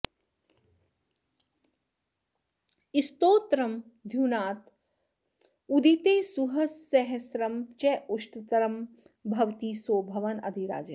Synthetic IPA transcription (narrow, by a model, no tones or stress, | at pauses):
ist̪oːt̪ɾɐm | d̪ʱjuːnaːt̪ | ud̪ʱit̪eːsuɦɐsːɐɦɐsɾɐmt͡ʃɛuʃʈ̪ɐt̪ɐɾɐm | bʱɐʋt̪iːsoːbʱɐʋɐnɐ̰d̪ʱiɾa̰ːd͡ʒɐ